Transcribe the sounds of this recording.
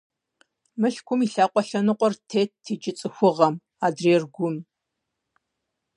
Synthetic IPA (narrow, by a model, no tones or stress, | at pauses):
mɨɬkʷʰʊmiɬaːqʷʼɔɬɐnɨqʷɔrtʰeːt̚tʰːeːd͡ʒʼɪt͡sʼɨxʷʊʁɐm | aːdreːrɡʷʊm